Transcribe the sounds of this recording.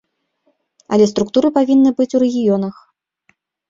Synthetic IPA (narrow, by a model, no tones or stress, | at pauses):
ɐ̰lʲɛst̪ɾukt̪uɾɨpavʲinːɨbɨt͡sʲuɾɛɣʲijɔnɐx